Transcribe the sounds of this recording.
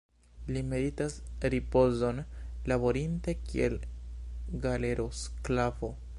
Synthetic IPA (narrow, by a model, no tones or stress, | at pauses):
lime̞ɾitasɾipo̞zo̞nlaβo̞ɾintekḭḛl | ɡale̞ɾo̞sklavo̞